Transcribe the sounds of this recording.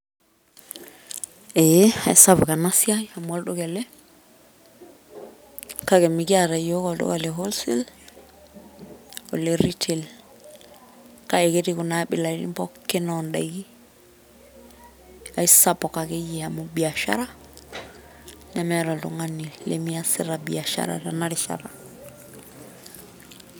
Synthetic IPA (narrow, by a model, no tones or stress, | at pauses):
eaisabkanasiaamoldokele | kaɡemikiaɾajokoldo̰kaleɦolsḭl | o̰leɾitʰel | kaeketikunaɓiladḭmpokːenondaɡi | aisapokakejihamubiaʃa̰ɾa | nemeɾaldo̰ŋanːillḛmijasiɾabiaʃa̰ɾa̰danaɾiʃa̰ɾa̰